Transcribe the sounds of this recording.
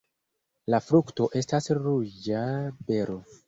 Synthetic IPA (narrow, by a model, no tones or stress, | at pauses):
lafɾukto̞ʔe̞stasɾud͡ʒabe̞ɾo̞